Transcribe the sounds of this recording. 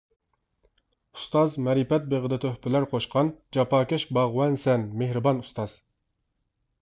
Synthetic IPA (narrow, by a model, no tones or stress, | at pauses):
u̥st̪ɑzmɛɾipɛt̪̚beʁəd̪ɨt̪ʰøhpɪlæɾqʰoʃqʰɑnd͡ʒɑpʰɑːkʲɛʃbɑʁwɛnsɛnmehɾɨbɑnust̪ɑz̥